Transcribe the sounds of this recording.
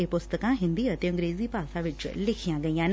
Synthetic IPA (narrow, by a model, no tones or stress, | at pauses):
epʊst̪əkãɦɪ̃nd̪iət̪eə̃ŋɡɾeːzipaːsaʋɪt͡ʃlɪkʰijãɡəijãn